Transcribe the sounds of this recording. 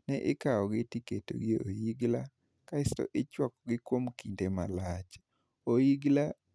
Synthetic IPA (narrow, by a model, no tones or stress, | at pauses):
nɛʔɪkaɔɡɪtiketo̰ɡieojiɡla | kaɪstɔ̰ʔɪt͡ʃwakɔɡɪkwomkindema̰lat͡ʃ | oiɡla